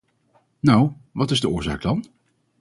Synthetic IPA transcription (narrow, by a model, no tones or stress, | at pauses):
nawʋɑtɪzdəʊːɹza̰ːk̚dɑn